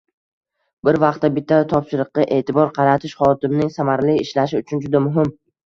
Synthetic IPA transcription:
bɪɾvɑqt̪ːabɪt̪ʰːat̪ʰɒpʃɪɾɨqːɑʔe̞ːt̪ʰɪbɒɾqʰɑɾat̪ʰɪʃχɒjɒt̪ɪmnɪŋsamaɾlɪɪʃlaʃɪʊt͡ʃʰʊnd͡ʒʊd̪amʊɦɪm

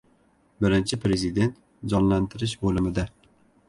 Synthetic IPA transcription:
bɪɾɪnt͡ʃʰipʰɾezid̪ent̪ | d͡ʒɑnlænt̪ʰɪɾɪʃbolˠɪmɪd̪ɛ

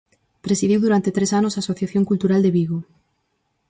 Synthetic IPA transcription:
pɾesiðiwðuɾant̪et̪ɾesanosasoθjaθjo̞ŋkult̪uɾald̪eβiɣo

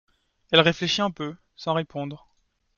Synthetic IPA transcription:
ɛlʁefleʃiɛ̃pø | sɑ̃ʁepɔ̃d̪ʁ

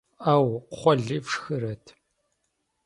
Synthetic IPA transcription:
awχʷɔɮiːfʂxɨɾɐtʰ

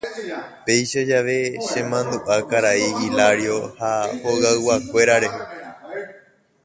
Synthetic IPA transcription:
pe̞jʃad͡ʒaʋe̞ʃẽ̞mãnd̪uʔakaɾaiːlaɾjo̞hahoɣaɨwakʷe̞ɾaɾe̞ɦe̞

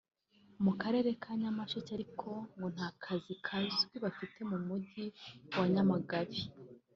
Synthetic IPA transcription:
mukaɾe̞ːɾe̞kʰaːɲamaʃocaɾikʰo̞ŋɡo̞n̥haːkʰazikʰazɡwiβafite̞mumuɟiwaɲamaɡaβi

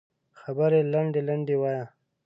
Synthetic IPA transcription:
xabəɾelaɳɖelaɳɖewaja

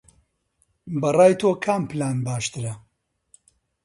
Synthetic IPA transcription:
bɐraːjt̪ʰoːkʰaːmpɨlaːnbaːʃt̪ɨɾɐ

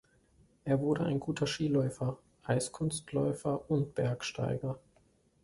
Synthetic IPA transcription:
ʔeːɐvʊɐɾəʔa̰ɪnɡuːtʰɐʃiːlɔʏfɐ | ʔaɪskʰʊnstlɔ̰ʏfɐʊnt̚b̥ɛɐkʃta̰ɪɡɐ

